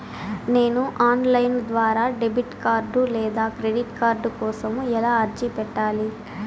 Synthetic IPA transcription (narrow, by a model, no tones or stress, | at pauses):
ne̞ːnuʔaːnlɐjnd̪ʋaːɾaːɖebiʈkaːɾɖulɛːd̪aːkɾe̞ɖiʈkaːɾɖukɔːsɐmuɛlaːɐɾd͡ʒipɛʈːaːli